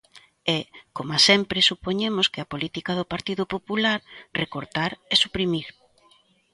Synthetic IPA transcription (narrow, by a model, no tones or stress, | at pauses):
ɛkomasɛmpɾesupoɲemʊskɪapolit̪ikaðʊpaɾt̪iðʊpopulaɾrekoɾt̪aɾesupɾimiɾ